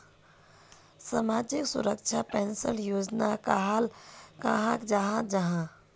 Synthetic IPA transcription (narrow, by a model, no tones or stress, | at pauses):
samaːd͡ʒɪksʊ̰ɾəkt͡ʃʰapɛnsəljoːd͡ʒnakaɦalkaɦãkd͡ʒəɦãd͡ʒəɦã